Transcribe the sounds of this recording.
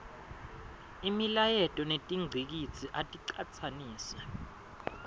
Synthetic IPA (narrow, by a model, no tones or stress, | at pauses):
imilajɛtʼɔnetʼiŋ͡ǀʱik̬it͡sʰʼiʔatʼiǃat͡sʰaniːsɛ